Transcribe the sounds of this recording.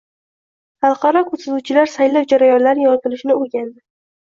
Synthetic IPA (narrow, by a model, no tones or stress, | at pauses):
χɑlˠqʰɑɾɒkʰɵɾsazuwt͡ʃʰɪlaɾsajlɪwd͡ʒaɾajɒnlaɾɪjɒt̪ɪlɪʃɪnɪoɡʲand̪ɪ